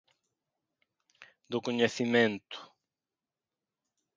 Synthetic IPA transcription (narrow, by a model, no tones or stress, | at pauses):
d̪ʊkoɲeθimẽnt̪ʊ̥